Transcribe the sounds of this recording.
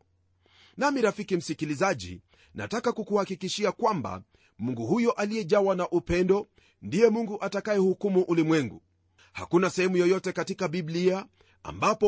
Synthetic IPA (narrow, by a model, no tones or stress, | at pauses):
namiɾafikim̩sikilizaʄḭ | na̰takakukuhakikiʃiakwamba̰ | muŋɡuhujɔʔalijɛʄawanaʔupɛndɔ | ndijɛmuŋɡuʔatakajɛhukumuʔulimwɛŋɡṵ | ha̰kunasɛhɛmujɔjɔtɛkatikabiblia | a̰mbapɔ